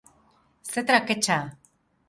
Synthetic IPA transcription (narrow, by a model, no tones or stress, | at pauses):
set̪ɾaket͡ʃa